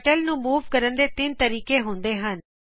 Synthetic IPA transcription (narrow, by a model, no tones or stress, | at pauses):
ʈəlnũːmuːʋkəɾənd̪eːt̪ɪnt̪əɾiːkeːɦʊ̃nd̪eːɦən